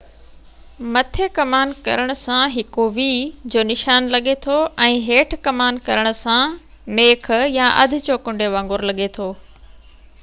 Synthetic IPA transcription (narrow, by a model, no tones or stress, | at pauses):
mɐt̪ʰekɐmaːnkɐ̰ɾəɽ̃ʊ̆sãɦɪkoʋiːd͡ʑoːnɪʃaːnlɐɠet̪ʰoʔɛ̃ːɦeːʈʰkɐmaːnkɐɾəɽ̃ʊ̆sã | meːk̆ʰjaʔɐ̰d̪ʱɪ̆t͡ɕoːkʊ̃ɳɖʱeʋãːŋɡʊɾlɐɠet̪ʰoː